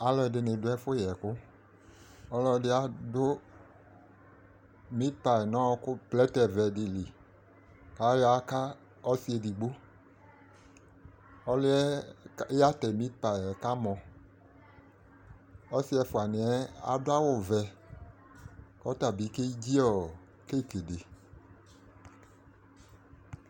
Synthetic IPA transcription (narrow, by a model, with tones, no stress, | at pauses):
a˨lɔ˦ɛ˨dɪ˨nẽ˨dʊ˦ɛ˦fʊ˦jɛ˨kʊ˦ | ɔ˦lɔ˦dɪ˦a˨dʊ˦ | mĩ˦t̚pa˨nã˦wɔ˦kʊ˦plɛ˦t̪ɛ˨vɛ˨di˨li˨ | ka˨˦jɔ˨˦a˦ka˦ | ɔ˦si˦ɛ˨di˨ɡ͡bo˦ | ɔ˦li˦ɛ˦ | a˦t̪ɛ˨mi˦t̪̚pa˨ɛ˨ka˦mɔ̃˨ | ɔ˦si˦ɛ˨fu˨a˨nĩ˨ɛ˦a̰˨dʊ˦a˦wɔ˨vɛ˨ | kɔ˦t̪a˨bi˨˦ke˦d͡ʑi˦ɔ˨ | ke˦˨ke˨de˨